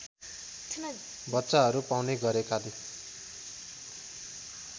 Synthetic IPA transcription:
bʌtːsaɦʌɾupawneɡʌɾekale

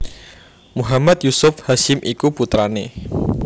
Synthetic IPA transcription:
muɦamat̪̚jusʊfhaʃɪmʔikuput̪ɾane

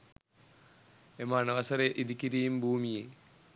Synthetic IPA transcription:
emaːɳɐʋɐsɐɾeʔid̪ikʲːiɾijumbʱuːmije

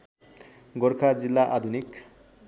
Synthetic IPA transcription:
ɡʌɾkʰad͡zilːaʔad̪ʱunik

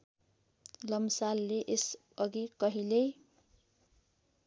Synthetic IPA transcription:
lʌmsalːeʔes | ʌɡikʌɦilej

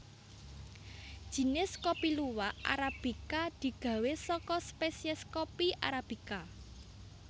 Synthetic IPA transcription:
d̥ʒ̥i̤nɪskopiluwaʔa̰ɾab̥i̤kad̪̥i̤ɡ̥ä̤wesɔkɔspesiɛskopiʔa̰ɾab̥i̤ka

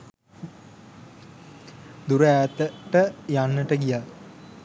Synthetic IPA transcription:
d̪uɾəæːt̪əʈəjanːəʈəɡija

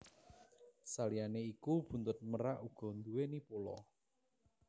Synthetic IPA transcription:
salijaneikub̥ṳnt̪ʊt̪̚məɾaʔuɡ̥ɔ̤nd̪uwenipolɔ̰

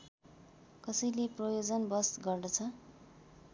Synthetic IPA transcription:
kʌsʌjleprʌjod͡zʌnbʌsɡʌrdʌt͡sʰʌ

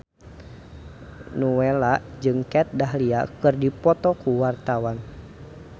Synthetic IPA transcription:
nuwɛlaʔd͡ʒɨŋkɛt̪̚daɦlia̰kɨrdipɔt̪ɔkuwart̪awan

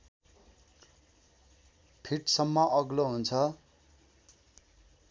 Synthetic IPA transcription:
pʰiʈsʌmːʌʔʌɡloɦunt͡sʰʌ

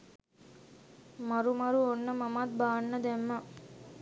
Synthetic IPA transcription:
mɐɾumɐɾuonːəmɐmat̪̚baːnːɐd̪ɛmːɐ

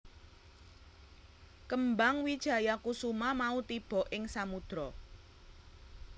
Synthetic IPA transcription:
kəmbaŋwid̥ʒ̥ä̤jakusumamaut̪ib̥ɔ̤ʔɪŋsamud̪̥ɾɔ

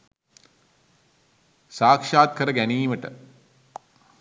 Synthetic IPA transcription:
saːkʂaːt̪̚kʰəɾəɡæniːməʈə̰

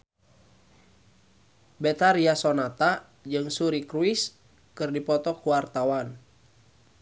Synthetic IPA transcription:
bɛt̪aɾiasɔnat̪a | d͡ʒɨŋsuɾikɾuis | kɨrdipɔt̪ɔkuwart̪awan

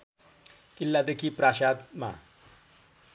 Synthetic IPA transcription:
kilːad̪ekʰipɾaɕad̪ma̰

